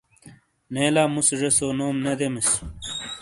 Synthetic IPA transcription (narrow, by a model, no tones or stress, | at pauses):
neːlaːmusʐesoːnoːmned̪emis